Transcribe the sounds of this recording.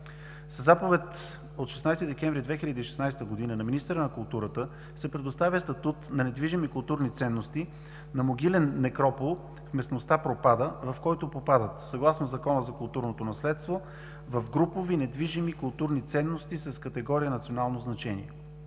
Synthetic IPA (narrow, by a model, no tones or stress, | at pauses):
sɐzapovɛt̪ | ot̪ʃɛsnajst̪id̪ɛkʲɛɱvɾid̪vɛxilʲəd̪iːʃɛ̥snajst̪əɡod̪inənɐminist̪əɾənɐkʊlˠt̪uɾət̪ə | sɛpɾɛd̪ost̪avʲjəst̪ɐt̪ut̪nɐnɛd̪viʒimikʊlˠt̪uɾnit̪sɛnːost̪i | nɐmoɡʲilɛnːɛkɾɔpolˠ | fmɛsnost̪apɾopad̪əvɐfkɔjt̪opopad̪ət̪sɐɡlˠasnozɐkɔnəzɐkʊlˠt̪uɾnot̪onɐslɛt̪st̪vo | vɐvɡɾupovinɛd̪viʒimikʊlˠt̪uɾnit̪sɛnːost̪isɐskət̪ɛɡɔɾijənɐt̪sionalˠnoznɐt͡ʃɛnḭɛ